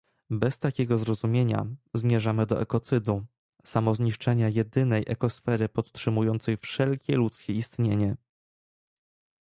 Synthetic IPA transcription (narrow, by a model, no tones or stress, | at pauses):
bɛst̪akʲɛɡɔzɾɔzumʲjeɲa̰zmʲjɛʐamɘd̪ɔʔɛkɔt̪sɘd̪u | samɔzɲiʂt͡ʂɛɲajɛd̪ɘnɛjʔɛkɔsfɛɾɘpɔt̪tʂɘmujɔnt̪sɛjfʂɛlkʲɛlut̪skʲɛist̪ɲeɲɛ